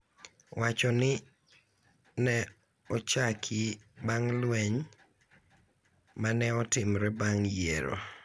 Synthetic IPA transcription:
wat͡ʃɔnɪ | nɛ | ɔt͡ʃakʰɪbaŋlwɛɲ | manɛɔtɪmɾɛbaŋjeɾo̰

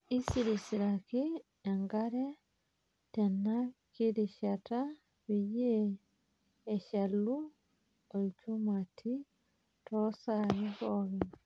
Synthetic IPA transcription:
isiɾisiɾaki | eŋɡaɾe | tenakiɾiʃata | βije | ʃalu | olit͡ʃumatʰi | tosaɾihoβi

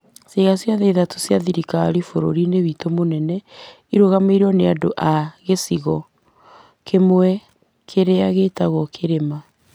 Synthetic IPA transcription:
seɣasjaðeiðato̥sjaðiɾikaɾifoɾo̰ɾineβitomonɛnɛ | iɾoɣameiɾɔneadoʔaɣesiɣɔ | kʰemwɛ | kʰeɾeaɣetaɣɔkʰeɾema

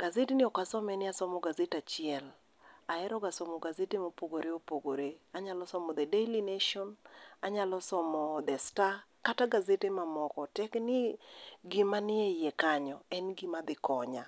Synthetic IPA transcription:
ɡ̥azetɪnɪɔkasɔmɛnɪasɔmɔɡazetat͡ʃɪɛl | aɛɾɔɡasɔmɔɡazetemopoɡoɾeopoɡoɾeaɲalɔsɔmɔd̪ɛdelineʃɔnaɲalɔsɔmɔd̪ɛstakataɡazetemamɔkɔtɛknɪɡɪmanɪejɛkaɲɔɛnɡɪmad̪ɪkɔɲa

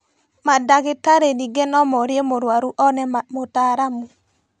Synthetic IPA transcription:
madakɪtaɾeniɡenɔmɔɾjemoɾwaɾuʔɔnɛmotaɾamu

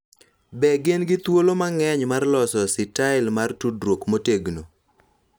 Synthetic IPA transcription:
bɛɡɪnɡɪt̪wolomaŋɛɲmarlɔsɔsɪtaɪlmartudɾwokmoteɡno

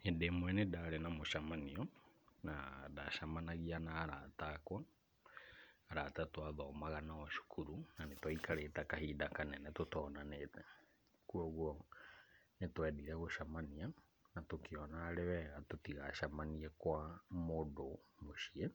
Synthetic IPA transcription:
endemwɛnedaːɾenamoʃamaniɔnadaʃamanaɣianaːɾa̰takwa | ɾatatwaðɔːmaɣanaɔʃu̥kʰuɾunanetwaikaɾetakahiːdakanɛnɛtotɔːnanetɛ | kuɔɣwɔ | netwɛðiɾɛɣoʃamania | natokeɔnaːɾewɛɣatotiɣaʃamaniɛkwamodomoʃiɛ

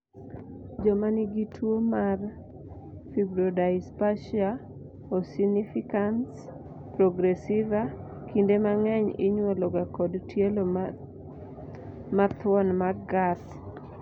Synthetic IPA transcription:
d͡ʒɔmanɪɡitʰwomar | fibɾodaɪspaʃia | osinifikans | pɾɔɡɾɛsiva | kindemaŋɛɲɪ̰ɲwɔlɔɡakɔdtjelo | mat̪wɔnmaɡat̪

